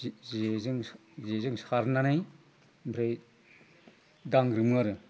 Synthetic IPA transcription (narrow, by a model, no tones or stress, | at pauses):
zezɯŋ | zezɯŋsaɾnanaj | mbɾej | daŋɾɯmɯaɾɯ